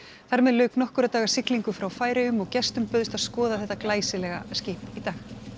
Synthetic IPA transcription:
θaɾmɛðlœːɥknɔhkʏɾat̪aːɣḁsɪkliŋkʏfɾawfaːjɾɪʏmɔɣcɛst̪ʏmpœðʏst̪aðskɔːðaθɛht̪ːaklaːjsɪlɛɣa̰scɪːhpit̪aːx

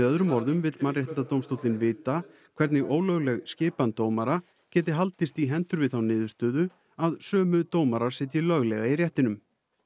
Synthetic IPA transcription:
œðɾʏmɔɾðʏmvɪt̪marjɛht̪ɪnt̪at̪oːwmst̪owt̪lɪnvɪːt̪a | kʰv̥ɛɾt̪nɪɣʔoːwlœɣlɛɣscɪːpant̪oːwmaɾa | cɛːt̪̬ɪɦalt̪ɪst̪iɦɛnt̪ʏɾvɪðθawnɪːðʏst̪œːðʏ | aðsœːmʏt̪oːwmaɾaɾ̥sɛːt̪jɪlœɣlɛɣairjɛht̪ɪnʏm

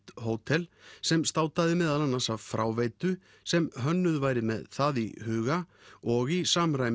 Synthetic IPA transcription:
t̪hoːwt̪ʰɛlsɛmst̪aːwt̪aðɪmɛːðalanːansavfɾaːwveːjt̪ʏ | sɛmɦœnːʏðvaːjɾɪmɛ̰ðθaðḭhʏːɣaɔɣisaːmɾaːjm

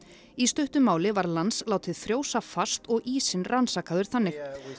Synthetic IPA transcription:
ist̪œht̪ʏmaːwlɪvaɾlanslaːwt̪ɪðfɾjoːwsafast̪ɔɣiːsɪnransaːkaðʏɾ̥θanːɪ

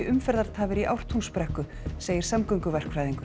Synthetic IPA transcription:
ɪʔʏmfɛɾðaɾt̪ʰaːvɪɾiʔawr̥t̪ʰunspɾɛhkʏ | seːjɪɾ̥samkœɥŋkʏvɛr̥kfɾajðiŋkʏɾ

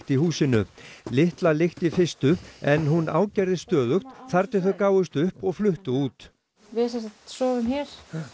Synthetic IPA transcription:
t̪ihuːsɪnʏ̰lɪht̪lalɪxt̪ifɪst̪ʏɛnɦuna̰ːwcɛjɾðɪst̪œːðʏxt̪θaɾt̪ɪθœðkaːwʏst̪ʏhpɔɣflʏht̪ʏuːt̪ | vɪsɛsat̪sɔːvʏmçɛɾ̥

